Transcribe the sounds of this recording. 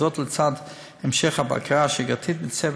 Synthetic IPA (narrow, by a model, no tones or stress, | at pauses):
ɔtlt͡sad | ɛmʃɛχaba̰kʁaʃeɡat̪ʰit̪̚bɪt͡sɛb